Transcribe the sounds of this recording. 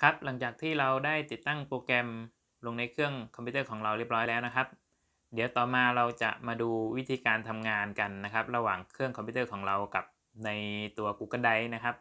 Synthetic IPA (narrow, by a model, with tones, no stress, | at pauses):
kʰa˦˥p̚la˩˦ŋt͡ɕaː˨˩k̚t̪ʰiː˥˩ɾa˧wdaː˥˩jt̪i˨˩t̪ːa˥˩ŋpoː˧kɛ˧m | lo˧ŋna˧jkʰɯ˥˩əŋkʰɔ˧mpʰiː˦˥˩kʰɔː˩˦ŋɾa˧wɾi˥˩p̚ɾɔː˦˥jlɛː˦˥wna˦˥kʰa˦˥p̚ | di˩˦wt̪ɔː˨˩maː˧ɾa˧wt͡ɕa̰˨˩ʔmaː˧duː˧wi˦˥t̪ʰiː˧kaː˧nt̪ʰa˧mŋaː˧nka˧nːa˦˥kʰa˦˥p̚ɾa˧waː˨˩ŋkʰɯ˥˩əŋkʰɔ˧pʰiu˦˥t̪ɤː˥˩kʰɔː˩˦ŋɾa˧wka˨˩p̚ | na˧jt̪u˧ɐkuː˧˩ka˧˩nda˧jna˦˥kʰa˦˥p̚